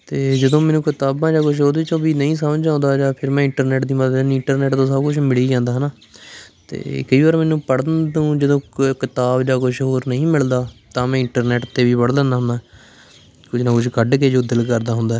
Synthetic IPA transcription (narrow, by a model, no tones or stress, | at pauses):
t̪eːd͡ʒəd̪õːmɛːnũːkɪt̪aːbãːd͡ʒaːkʊʃʰɦoːd̪eːt͡ʃõːbiːnəĩːs̬əmd͡ʒãːnd̪aːd͡ʒaːpʰɪɾmɛ̃ːɪɳʈəɾnɛːʈd̪iːməd̪əd̪nɪɳʈəɾnɛːʈt̪õːsəbkʊt͡ʃʰmɪliːd͡ʒãːnd̪aːɦnaː | t̪ḛːkəiːʋaːɾmɛːnũːpəɽnũːd͡ʒəd̪õːkɪt̪aːbd͡ʒaːkʊʃʰɦoːɾnəĩːmɪld̪aːt̪ãːmɛ̃ːɪɳʈəɾnɛːʈt̪eːʋiːpəɽlãːnd̪aːɦʊ̃nd̪aː | kʊt͡ʃʰnãːkʊt͡ʃʰkəɖkeːd͡ʒoːd̪ɪlkəɾd̪aːɦʊ̃nd̪aɛ